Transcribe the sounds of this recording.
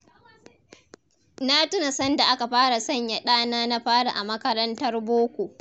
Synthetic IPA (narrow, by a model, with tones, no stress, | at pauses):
na˦tʊ˦na˨sɐ˦nda˨ʔa˦ka˨ɸaː˦ɽa˨sɐ˦˨ɲja˨ɗaː˦naː˦na˦ɸaː˦ɽa̰˨ʔa˨mɐ˦kɐ˦ɾɐ˦ntɐ˦rboː˦kʷoː˨ʔ